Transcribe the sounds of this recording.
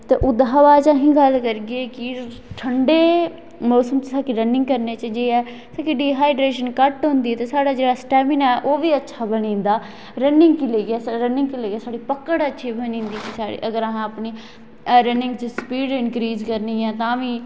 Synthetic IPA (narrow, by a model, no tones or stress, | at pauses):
t̪eːʔʊd̪ɦaʋaːd͡ʒãːɦĩːɡəlkəɾɡeːkɪ | ʈʰəɳɖeː | mɔːsəmt͡ʃsaːkiɾənɪ̃ŋɡkəɾneːt͡ʃəd͡ʒeːɛː | səkɪɖiːɦaːɪɖɾeːʃənkəʈɦʊ̃nd̪iːɛːt̪eːsaːɽaːd͡ʒeːɽaːsʈɛːmɪnɛːʔoːʋiːətːʃʰaːbənĩːnd̪aː | ɾənɪ̃ŋɡkileɡɛːɾənɪ̃ŋɡkileːɡɛːsaːɽiːpəkːəɽətːʃʰiːbənĩːnd̪iːkɪsaːɽḭːʔəɡəɾəɦãːəpniː | ɾənɪ̃ŋɡt͡ʃəspiːɖɪnkɾiːd͡ʒkəɾniːɛ̃ːt̪ãːʋĩː